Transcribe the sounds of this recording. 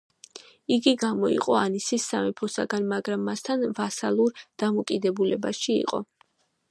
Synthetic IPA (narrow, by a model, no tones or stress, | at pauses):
iɡiɡamɔḭqʼɔanisisːamipʰɔsa̰ɡanːaɡɾamːast̪ʰanvasalˠuɾd̪̥amɔkʼid̪ɛbulɛbaʃiḭqʼɔ̰